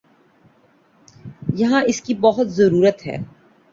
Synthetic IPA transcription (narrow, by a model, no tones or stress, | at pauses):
jɐɦãɪskibɐɦʊt̪zɐɾuːɾət̪ɦɛ̰ː